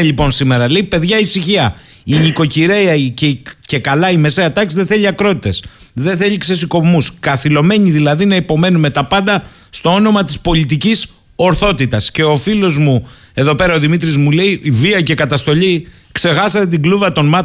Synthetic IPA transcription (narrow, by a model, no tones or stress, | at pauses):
ʎipo̞nsime̞ɾɐle̞ipe̞ðʝɐisiçiɐ | iɲiko̞ciɾe̞ɐicece̞kɐlɐime̞se̞ɐt̪ɐksiðeθe̞ʎiɐkɾo̞t̪i̥t̪e̞s | ðeθe̞ʎikse̞s̬iko̞pmuskɐθilo̞me̞ɲiðilɐðinɐipo̞me̞nume̞t̪ɐpɐnd̪ɐ | st̪o̞o̞no̞mɐt̪ispo̞ʎit̪icis | o̞ɾθo̞t̪it̪ɐsce̞o̞filo̞zmu | e̞ðo̞pe̞ɾɐoðimit̪ɾizmule̞iːviɐcekɐt̪ɐst̪o̞ʎi | kse̞xɐsɐt̪et̪̬iɡluvɐt̪o̞nmɐ